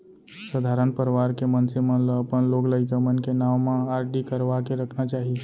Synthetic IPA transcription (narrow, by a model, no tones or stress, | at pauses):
səd̪ʱaɾənpəɾʋaɾkemənsemənləəpənlokləɪkəmənkenammãaɾɖikəɾʋakeɾəkʰnat͡ʃaɦi